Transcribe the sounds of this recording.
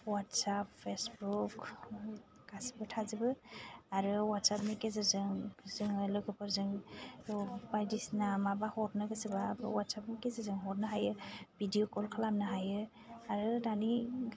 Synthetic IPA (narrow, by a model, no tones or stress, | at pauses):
watsappʰːesbuk | ɡ̥asibɯtʰazibɯaɾɯwatsap̚mikezazɯŋzɯŋɯlɔɡɯpɯɾzɯŋ | pajdisnamabahɔɾnɯɡɯsibabwatsap̚mikezɯzɯŋɦɔɾnaɦajɯbʱidijokɔlkʰalamnaɦajɯ | aɾɯdani